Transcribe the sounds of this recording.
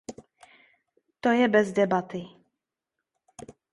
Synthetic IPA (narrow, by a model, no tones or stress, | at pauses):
t̪ojɛbɛzdɛbat̪ɪ